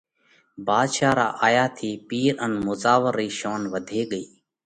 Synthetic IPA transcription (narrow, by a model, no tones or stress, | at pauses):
baːd̪ʃaːɾa̰ːʔaːjaːt̪ʰiːpiːɾənmʊzaːʋəɾːiːʃoːnʋəd̪ʱeːɠəiː